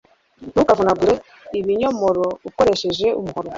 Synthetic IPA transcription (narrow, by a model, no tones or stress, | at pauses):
nukavunaɡuɾe | iβiɲomoɾoβukoɾeʃe̞ʒe̞ṵmuhoɾo